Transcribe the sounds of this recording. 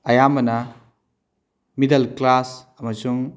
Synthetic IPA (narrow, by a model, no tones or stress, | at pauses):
ɐjamɐna | midɐlklasɐmɐsuŋ